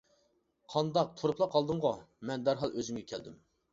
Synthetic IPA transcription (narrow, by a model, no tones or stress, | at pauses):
qʰɑnd̪ɑq̚t̪ʰoɾupʰlˠɑqʰɑlˠd̪ɨɴʁomɛnd̪æɾɦɑlˠøzymɡʲɛkʲʰɛld̪ɪm